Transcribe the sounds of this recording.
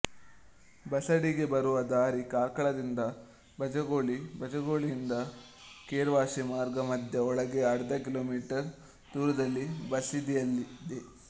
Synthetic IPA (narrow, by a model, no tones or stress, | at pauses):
bɐsɐɽiɡe̞bɐɾuʋɐd̪aːɾikaːkɐɭɐd̪ind̪ɐ | bɐd͡ʒɐɡo̞ːɭibɐd͡ʒɐɡo̞ːɭijːnd̪ɐ | keːɾʋaːʃimaːɾɡɐmɐd̪ʱjɐɔɭɐɡeɐɽɐd̪ɐkiloːmiːʈɐɾ | d̪uːɾɐd̪ɐlːibɐsid̪ijɐlːid̪e